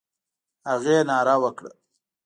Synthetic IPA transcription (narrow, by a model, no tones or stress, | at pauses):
haɣenɑːɾawəkɽə̰